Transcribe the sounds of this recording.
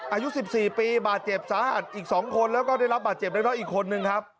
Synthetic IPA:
ʔaː˧ju˦˥si˨˩p̚siː˨˩piː˧baː˨˩t̪̚t͡ɕe˨˩p̚saː˨˦ha̰˨˩t̪̚ʔiː˨˩k̚sɔː˩˦ŋkʰo˧nlɛː˦˥wkɔː˥˩da˥˩jɾa˦˥baː˨˩t̪̚t͡ɕe˨˩p̚da˥˩nɔ˦˥ʔiː˨˩kʰo˧nːɯ˧ŋkʰa˦˥p̚

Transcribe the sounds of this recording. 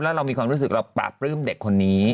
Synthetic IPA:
lɛː˦˥ɾa˧wmiː˧kʰwaː˧ɾu˦˥sɯ˨˩k̚ɾa˧wpa̰ː˨˩p̚ɾɯː˥˩mde˨˩kʰːo˧nːiː˦˥

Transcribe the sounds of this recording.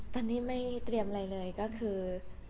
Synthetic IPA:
t̪ɔː˧˩niː˥˩ma˥˩jt̪ɾi˧əmʔa˧ɾa˧jlɤː˧jkɔː˥˩kʰɯː˧

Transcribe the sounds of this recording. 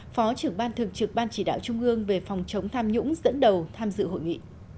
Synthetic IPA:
fɔ˨˦t͡ɕɨ˨˩əŋɓaː˧nt̪ʰɨ˨˩əŋ̚t͡ɕɨ˨˩k̚ɓaː˧nt͡ɕi˧˩ɗa̰ː˧˨wt͡ɕʊ˧ŋ͡mʔɨ˧əŋve˨˩fa˨˩wŋ͡mt͡ɕə˨˦wŋ͡mt̪ʰaː˧mɲʊ̰˧˥ŋ͡mzə̰˧˥nɗə˨˩wt̪ʰaː˧mzɨ̰˧˨ho̰˧˨jŋḭ˧˨

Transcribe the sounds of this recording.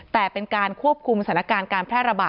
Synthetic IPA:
t̪ɛː˨˩pe˧nkaː˧nkʰu˥˩əp̚kʰu˧msa˩˦na˦˥kaː˧nkaː˧npʰɾɛː˥˩ɾa˧baː˨˩

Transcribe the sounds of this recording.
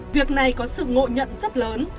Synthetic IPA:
vi˨˩ək̚na˨˩jkɔ˨˦sɨ̰˧˨ŋo̰˧˨ɲə̰˧˨nzə˦˥t̚ləː˨˦n

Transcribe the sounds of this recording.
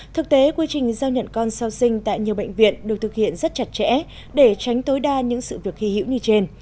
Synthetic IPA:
t̪ʰɨ˨˩k̚t̪e˨˦kwi˧t͡ɕï˨˩ŋ̟zaː˧wɲə̰˧˨nkɔ˧nsaː˧wsï˧ŋ̟t̪a̰ː˧˨jɲi˨˩əɓə̰˧˨jŋ̟vḭ˧˨ənɗɨ˨˩k̚t̪ʰɨ˨˩k̚hḭ˧˨ənzə˦˥t̚t͡ɕa˨˩t̚t͡ɕɛ̰˧˥ | ɗe˧˩t͡ɕa˨˦jŋ̟t̪o˨˦jɗaː˧ɲɨ̰˧˥ŋsɨ̰˧˨vi˨˩ək̚xi˧hḭ˧˥wɲɨ˧t͡ɕe˧n

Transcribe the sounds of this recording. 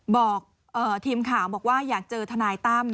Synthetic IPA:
bɔː˨˩k̚ | ʔɤː˨˩t̪ʰiː˧mkʰaː˩˦wbɔː˨˩k̚waː˥˩jaː˨˩k̚t͡ɕɤː˧t̪ʰa˧naː˧jt̪aː˥˩m

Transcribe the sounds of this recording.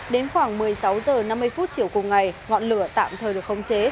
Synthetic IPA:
ɗe˨˦nxwaː˧˩ŋmɨ˨˩əjsa˨˦wzəː˨˩na˧mːɨ˧jfu˦˥t̚t͡ɕi˧˩əwkʊ˨˩ŋ͡mŋa˨˩jŋɔ̰˧˨nlɨ˧˩ət̪a̰ː˧˨mt̪ʰəː˨˩jɨ˨˩ək̚xə˧wŋ͡mt͡ɕe˨˦

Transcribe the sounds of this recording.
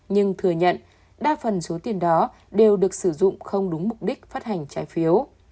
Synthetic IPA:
ɲɨ˧ŋt̪ʰɨ˧˩əɲə̰˧˨n | ɓaː˧fə˨˩nso˨˦t̪i˨˩ənɗɔ˨˦ | ɗe˨˩wɗɨ˨˩ək̚sɨ˧˩zʊ̰˧˨ŋ͡mxə˧wŋ͡mɗʊ˨˦ŋ͡mmʊ˨˩k͡p̚ɗi˦˥k̟̚faː˦˥t̚ha˨˩jŋ̟t͡ɕaː˨˦jfi˨˦əw

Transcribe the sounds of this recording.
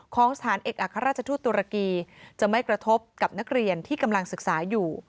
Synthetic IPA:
kʰɔː˩˦ŋsḁt̪ʰaː˩˦nʔeː˨˩k̚ʔa˨˩kʰːa˧ɾaː˥˩t̪̚t͡ɕʰa˧t̪ʰuː˥˩t̪ːu˧ɾa˧kiː˧t͡ɕa˨˩ma˥˩jkɾa˧t̪ʰo˦˥p̚ka˨˩p̚na˦˥k̚ɾi˧ənt̪ʰiː˥˩ka˧mla˧ŋsɯ˨˩k̚saː˩˦juː˨˩

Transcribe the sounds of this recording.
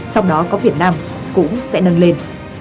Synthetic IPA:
t͡ɕɔ˧wŋ͡mɗɔ˨˦kɔ˨˦vi˨˩ət̚naː˧m | kʊ̰˧˥ŋ͡msɛ̰˧˥nə˧nle˧n

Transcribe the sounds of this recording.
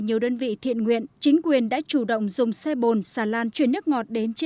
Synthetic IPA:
ɲi˨˩əwɗəː˧nvḭ˧˨t̪ʰḭ˧˨ənŋwḭ˧˨ənt͡ɕï˨˦ŋ̟kwi˨˩ənɗa̰ː˧˥t͡ɕu˧˩ɗə̰˧˨wŋ͡mzʊ˨˩ŋ͡msa˧jɓo˨˩nsaː˧˩laː˧nt͡ɕwənːɨ˦˥ək̚ŋɔ˨˩t̚ɗe˨˦nt͡ɕ

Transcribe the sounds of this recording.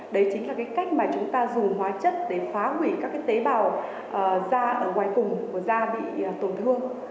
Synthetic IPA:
ɗə˨˦jt͡ɕï˨˦ŋlaː˨˩kaː˨˦jka˦˥jk̟̚maː˨˩t͡ɕʊ˨˦ŋ͡mt̪aː˧zʊ˨˩ŋ͡mɦwaː˨˦t͡ɕə˦˥t̚ɗe˧˩faː˨˦ɦwi˧˩kaː˦˥kːaː˨˦jt̪e˨˦ɓaː˨˩w | ʔəː˨˩zaː˧ʔəː˧˩ŋwaː˨˩jfʊ˨˩ŋ͡mku˧˩əzaː˧ɓḭ˧˨˩t̪o˨˩nt̪ʰɨ˧əŋ

